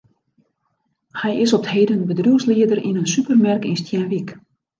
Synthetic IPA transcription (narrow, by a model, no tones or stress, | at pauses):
hɛjɪsɔp̚theːdənbədruwsliədərḭnənsypərmɛrkinstjɛnʋik